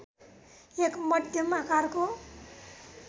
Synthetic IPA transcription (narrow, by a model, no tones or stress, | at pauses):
ekmʌd̪ʱjʌmakarko